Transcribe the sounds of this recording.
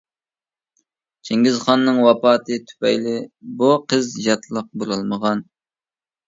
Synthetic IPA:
t͡ʃʰeŋɡʲizχɑnːɨŋwɑpɑːt̪ʰɨt̪ʰy̥pɛjlɪbuqʰəzjɑt̪ʰlˠəq̚buɾɨlˠməʁɑn

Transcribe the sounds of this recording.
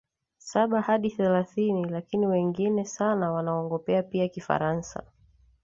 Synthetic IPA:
saɓahaɗiθɛlaθinilakiniwɛŋɡinɛsanawanaɔŋɡɔpɛapiakifa̰ɾansa̰

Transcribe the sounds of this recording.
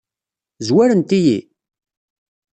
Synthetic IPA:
zwæɾənt̪ijḭ

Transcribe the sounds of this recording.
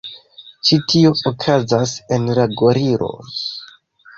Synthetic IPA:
t͡ʃitʰio̞okʰazase̞nlaɡoɾiɾʔo̞̰

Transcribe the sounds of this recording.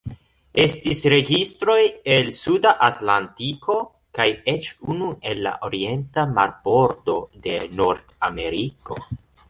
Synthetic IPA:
e̞stisɾe̞ɡistɾo̞je̞lsudaʔatlantikʰo̞ | kajet͡ʃunue̞lːa̰ʔoɾie̞ntamaɾbo̞ɾdo̞de̞noɾdame̞ɾiko̞̰

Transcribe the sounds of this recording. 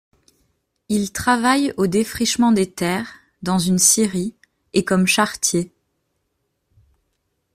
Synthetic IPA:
ilt̪χavajod̪efχiʃmɑ̃d̪et̪ɛʁ | d̪ɑ̃zynsiʁi | ekɔmʃaʁt̪je

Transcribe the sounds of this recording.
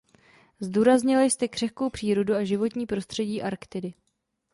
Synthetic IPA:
zduːɾazɲɪlajst̪ɛkr̥ɛxko̞wpr̥iːɾo̞duaʒɪvo̞t̪ɲiːpɾo̞st̪r̝̥ɛɟiːʔaɾkt̪ɪdɪ

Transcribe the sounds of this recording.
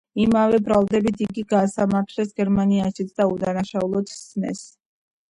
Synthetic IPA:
imavɛbɾalˠd̪ɛbit̪ʰiɡiɡaːsamaɾt̪ʰlɛsɡɛɾmaniaʃit̪sʰd̪aud̪anaʃaulˠɔt̪snɛ̰s

